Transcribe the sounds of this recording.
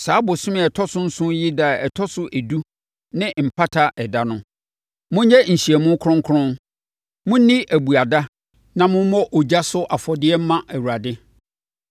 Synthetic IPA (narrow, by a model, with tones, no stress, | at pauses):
saː˨˦bʊ˨sʊ̃˦mɪ̃˦ɛ˨tʰɔ˦sʊ̃˦n̩˦sʊ̃˦ji˦da˨ɛ˨tʰɔ˦sʊ˦ʔæ˨du˦ | nɪ̃˦m̩˨pʰa˦tʰa˦ʔɛ˨da˦nʊ̃˦ | mʊ̃˦ɲ˦jɛ˦ɲ̩˨ɕi˨ɛ˨mʊ̃˦kʰʊ̃˦ŋ˦kʰʊ˦ɾʊ̃˦n | mʊ̃˦n˦nĩ˦ʔæ˨bu˨a˨da˦ | nã˨mʊ̃˦m˦mɔ̃˦ʔo˨d͡ʑa˦sʊ˦ʔa˨fɔ˨dɪ˦ɛ˦m̩˦mã˦ʔæ˨wu˨ɾa˨dɪ˦